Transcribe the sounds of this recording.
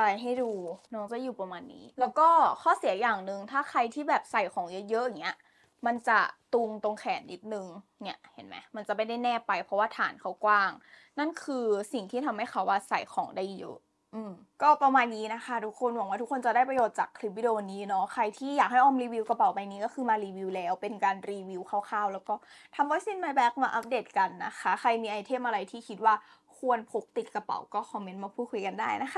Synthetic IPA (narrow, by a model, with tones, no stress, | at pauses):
ta˧˩jɦa˥˩jduː˧nɔː˦˥ŋt͡ɕa˨˩juː˨˩pa˧maː˧nːḭː˦˥lɛː˦˥wkɔː˥˩kʰɔː˥˩si˨˩˦jaː˨˩ŋnɯ˨˧ŋt̪ʰaː˥˩kʰa˧jt̪ʰiː˥˩bɛː˨˩p̚sa˨˩jkʰɔː˩˦ŋjɤ˦˥jɤ˦˥ʔŋːni˦˥ɐ | ma˧nt͡ɕa˨˩t̪u˧ŋt̪o˧ŋkʰɛː˩˦nːi˦˥t̪̚nɯ˨˧ŋni˦˥ɐʔhe˩˦nma̰˦˥ma˧nt͡ɕa˨˩ma˥˩jda˥˩jnɛː˥˩pa˧jpʰɾɔ˧˦˥waː˥˩t̪ʰa̰ː˩˦nkʰa˦˥wkwaː˥˩ŋ | na˥˩nkʰɯː˧si˨˩ŋt̪ʰiː˥˩t̪ʰa˧mha˥˩jxʰa˦˥wʔaː˧˥˩sa˨˩jkʰɔː˩˦ŋda˥˩jjɤ̰˦˥ʔ | ʔɯː˧˩m | kɔː˥˩pa˧maː˧nniː˦˥na˦˥xʰa˥˩t̪ʰu˦˥kʰːo˧nwaː˨˩˦waː˥t̪ʰu˦˥kʰːo˧nt͡ɕa˨˩daː˥˩pɾa˧joː˨˩t̪̚t͡ɕa̰ː˨˩kʰːɾi˦p̚wi˧˩oː˧niː˦˥nɔ˦˥kʰɾa˧jt̪ʰiː˥˩jaː˨˩k̚ɦa˥˩jʔɔː˧mɾiː˧wi˧wka˧pa˨˩wpa˧jniː˦˥kɔː˥˩kʰɯː˧maː˧ɾiː˧wiː˧wlɛː˦˥wpe˧nkaː˧nɾiː˧wi˧˥wkʰaː˥˩wkʰaː˥˩wlɛː˦˥wkɔː˥˩t̪ʰa˧mbɔː˦˥jsi˧˥˩nma˧bɛː˦˥k̚maː˧ʔa˦˥p̚deː˨˩t̪̚ka˧nːa˦˥kʰa˦˥xʰa˧jmiː˧ʔa˧jt̪ʰe˥˩mʔa˧ɾa˧jt̪ʰiː˥˩kʰi˦t̪̚waː˥˩ | kʰu˧ənpʰo˦˥k̚t̪i˨˩t̪̚ka˧pa̰˨˩˦wkɔː˥˩kʰɔ˧me˦˥nmaː˧pʰuː˥˩kʰu˧jka˨˧ndaː˥˩jna˦˥xʰa˦˥˩